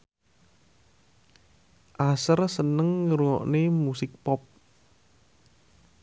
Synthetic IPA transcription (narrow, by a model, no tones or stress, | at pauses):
ʔasərsənəŋːəɾuɔ̰ʔnemusɪk̚pɔp̚